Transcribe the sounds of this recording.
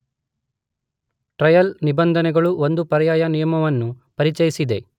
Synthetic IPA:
ʈɾɐjɐlnibɐnd̪ʱɐnɛɡɐɭuond̪upɐɾɐjaːjɐnijɐmɐʋɐnːu | pɐɾit͡ʃɐjisid̪e̞

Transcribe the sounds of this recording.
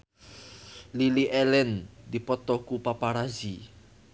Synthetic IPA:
liliʔɛlɛnd̪ipɔt̪ɔkupapaɾazi

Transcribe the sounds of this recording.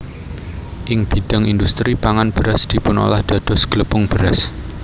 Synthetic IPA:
ʔɪŋb̥i̤d̥a̤ŋind̪ust̪ɾipaŋanb̥əɾasd̪̥i̤pʊno̰lahd̪̥ä̤d̪̥ɔ̤sɡ̥ələpʊŋb̥əɾas

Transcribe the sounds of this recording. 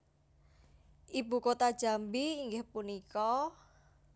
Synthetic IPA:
ʔibṳkot̪ad̥ʒ̥a̤mbiːŋɡɪhpunikɔ

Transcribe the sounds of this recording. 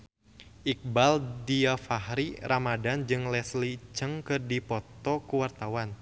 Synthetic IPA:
ʔik̚baldiafahɾirʔamadand͡ʒɨŋlɛslit͡ʃəŋkɨrdipɔt̪ɔkuwart̪awan

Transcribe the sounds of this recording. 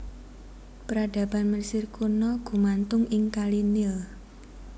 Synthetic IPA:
pəɾad̥a̤b̥a̤nminsɪrkunɔɡ̥ṳmant̪ʊŋɪŋkalinɪl

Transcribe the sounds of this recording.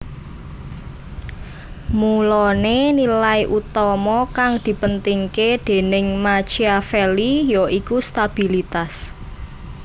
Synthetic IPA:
mulɔnenilaiʔut̪ɔmɔkaŋd̪̥i̤pənt̪iŋked̪̥e̤nɪŋmat͡ʃiafelijoikust̪ab̥i̤lit̪as

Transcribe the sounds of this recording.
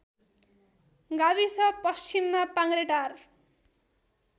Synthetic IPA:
ɡaβisʌpʌst͡ɕimːapaŋɾeʈar

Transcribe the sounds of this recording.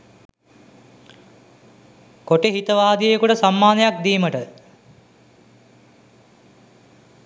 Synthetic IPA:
koʈeɦit̪əʋaːd̪ijekuʈəsamːaːnejak̚d̪iːməʈə

